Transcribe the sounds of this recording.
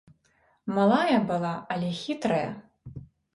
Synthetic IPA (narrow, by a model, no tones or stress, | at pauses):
malˠajɐbɨlˠaɐlʲɛxʲit̪ɾɐjɐ̰